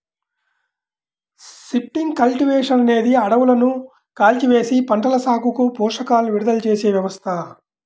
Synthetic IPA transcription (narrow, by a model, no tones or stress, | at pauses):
ʃipʈiŋɡkɐlʈiʋeːʂɐnɐne̞ːd̪iɐɽɐʋulɐnu | kaːlt͡ʃiʋe̞ːsipɐɳʈɐlɐsaːkukupuːʂɐkaːlniʋiɽud̪ɐlt͡ʃe̞ːse̞ːʋjɐʋɐst̪ʰɐ